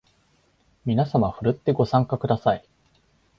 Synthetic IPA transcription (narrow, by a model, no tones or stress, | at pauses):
mʲinasamaɸɯ̟ɾɯ̟t̪ːe̞ɡo̞sãŋkakɯ̟d̪asai